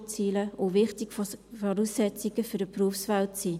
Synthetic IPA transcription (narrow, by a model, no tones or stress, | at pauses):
t͡siːləovɪχtɪɡfɔɾusɛt͡sɪɡ̥əfyɾdəpruəfsvaltsiː